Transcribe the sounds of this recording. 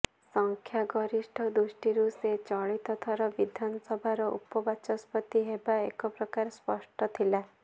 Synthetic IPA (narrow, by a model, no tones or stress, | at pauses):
sɔŋkʰjaɡɔɾisʈʰɔd̪usʈiɾuset͡ʃɔɭit̪ɔt̪ʰɔɾɔbid̪ʱanɔsɔbʱaɾɔʔṵpɔbat͡ʃɔspɔt̪iɦebaekɔpɾɔkaɾspɔsʈɔt̪ʰila